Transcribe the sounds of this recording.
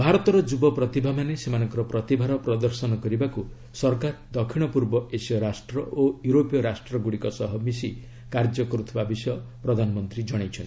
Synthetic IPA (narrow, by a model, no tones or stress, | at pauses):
bʱaɾɔt̪ɔɾɔd͡ʒubɔpɾɔt̪ibʱamanesemanɔ̃ŋkɔɾɔpɾɔt̪ibʱaɾɔpɾɔd̪ɔɾsɔnɔkɔɾibaku | sɔɾkaɾd̪ɔkʰiɽ̃ɔpuɾbɔesjɔɾasʈɾɔʔojuɾopijɔɾasʈɾɔɡuɽikɔsɔɦɔmisi | kaɾd͡ʒɔkɔɾut̪ʰibabisjɔpɾɔd̪ʱanɔmɔnt̪ɾid͡ʒɔɽ̃ejt͡ʃʰɔni